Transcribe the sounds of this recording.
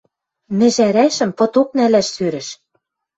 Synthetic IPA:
nɘ̆ʒæɾæʃɘ̆mpɤ̆t̪ok̚nælæʃsøɾɘ̆ʃ

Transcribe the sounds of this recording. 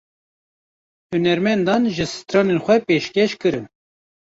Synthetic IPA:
hunɛɾmɛnd̪ɑnʒɨsɨ̥t̪ɾɑːnenxʷɛpeːʃkʲɛʃkɨɾɨn

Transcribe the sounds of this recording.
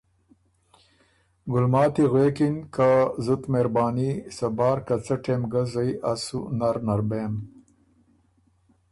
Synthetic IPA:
ɡʊlmɑːt̪iɣwekinkazut̪meɾbɑːnisɐbɑːɾkat͡saʈemɡazajʔasṵnaɾnaɾbeːm

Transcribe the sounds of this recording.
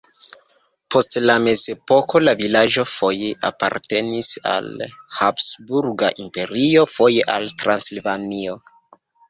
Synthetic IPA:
po̞stlame̞ze̞po̞ko̞lavilaʒo̞fo̞jeʔa̰pa̰ɾte̞nisa̰lhapsbuɾɡa̰ʔimpe̞ɾio̞fo̞jeʔaltɾansilvanio̞

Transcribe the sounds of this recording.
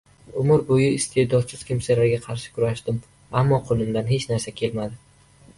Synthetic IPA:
ʊmʊɾbojɪɪst̪ʰe̞d̪ɒt̪sʰɪz̥kʲʰɪmsalaɾɡʲaqʰɑɾʃɪ̥kʰʊɾaʃd̪ɪm | amːɒqʰolˠɪmd̪anhe̞t͡ʃnaɾsakʲʰe̞lmad̪ɪ

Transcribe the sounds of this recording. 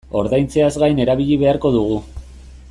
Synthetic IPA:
o̞ɾðajnt͡se̞azɡajne̞ɾaβ̞iʎiβ̞e̞aɾko̞ðuɣ̞u

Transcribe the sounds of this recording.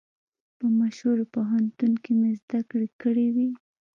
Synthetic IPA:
pəmaʃhuɾopoɦant̪unkemezd̪akɽekəɽewi

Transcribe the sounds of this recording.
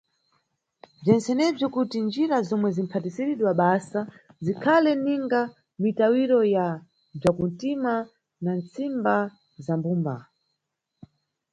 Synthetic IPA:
b͡ʐɛnsɛnɛb͡ʐjɔkutind͡ʒiɾazɔmwɛzim̩pʰatisiɾiɗwaɓasazikʰalɛniŋɡa | mitawiɾɔja | b͡ʐakuntima | nant͡simba | zambumba̰

